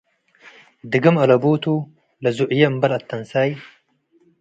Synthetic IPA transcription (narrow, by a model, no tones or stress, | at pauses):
d̪ɨɡɐmɐlɐbuːt̪u | lɐzuʔjembɐlɐt̪ːɐnsaːj